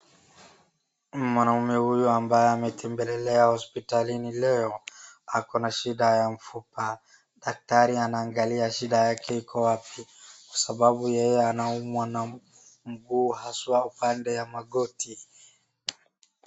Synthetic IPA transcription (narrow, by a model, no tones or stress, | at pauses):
mwanaumɛhujuambajɛamɛtʰɛmbɛlɛlɛahɔspitalinilɛɔakɔnaʃiɗajam̩fupa | ɗak̚taɾianaːŋɡaliaʃiɗajakɛikʰɔwapikwḁsaɓaɓujɛjɛanaumwana | m̩ɡuːhaswaupandɛjamaɠɔti